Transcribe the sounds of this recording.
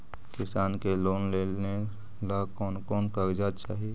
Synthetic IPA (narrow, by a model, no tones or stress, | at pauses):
kɪsaːnkeloːnleːlne | lakɔːnkɔːnkəɾd͡ʒaːt͡ʃaːɦie